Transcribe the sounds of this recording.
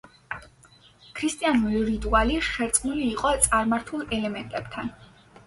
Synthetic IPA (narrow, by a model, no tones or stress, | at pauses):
kʰɾist̪ʼianuɾiɾit̪ʼualiʃɛɾt̪sʼqʼnuliːqʼɔt̪sʼaɾmaɾt̪ʰulˠɛlɛmɛnt̪ʼɛb̥t̪ʰan